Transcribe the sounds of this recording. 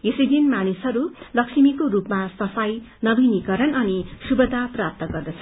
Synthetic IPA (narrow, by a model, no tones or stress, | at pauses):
esʌjd̪inmanisɦʌɾulʌksimikoɾupmasʌfaj | nʌbʱinikʌɾʌnʌnisubʌd̪ʱaprap̚t̪ʌɡʌrd̪ʌt͡sʰʌ